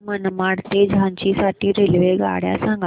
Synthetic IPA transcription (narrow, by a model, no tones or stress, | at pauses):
mənmaɽt̪ed͡ʑʱãɲt͡ɕisaʈʰiːɾelʋeɡa̰ɽja̰sãŋɡ